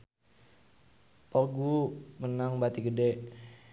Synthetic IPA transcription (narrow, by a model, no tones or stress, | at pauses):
pɔɡumənaŋbat̪iɡədɛʔ